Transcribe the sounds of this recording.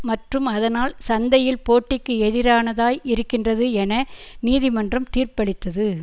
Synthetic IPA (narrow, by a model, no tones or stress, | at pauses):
mɐʈrɯmɐðɐnaːlsɐnd̪ɐjɪlpoːʈːɪkːɯɛðɪɾaːnɐðaːjɪɾɯkːɪndrɐðɯɛnɐniːðɪmɐndrɐmt̪iːrpɐɭɪt̪ːɐðɯ